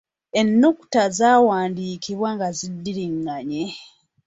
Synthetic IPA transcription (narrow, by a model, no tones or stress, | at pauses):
e̞nːuku̥tazaːwaːndiːkiβwaŋɡazidːiɾiŋɡaɲe